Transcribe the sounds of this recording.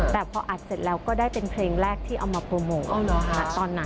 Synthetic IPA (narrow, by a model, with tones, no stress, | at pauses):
t̪ɛː˨˩pʰɔ˧ʔa˨˩t̪̚se˨˩t̪̚lɛː˧wkɔː˥˩daː˥˩jpe˧npʰleː˧ŋɾɛː˥˩k̚t̪ʰiː˥˩ʔa˧wmaː˧pɾu˧moː˧na˦˥t̪ɔː˧nːa˦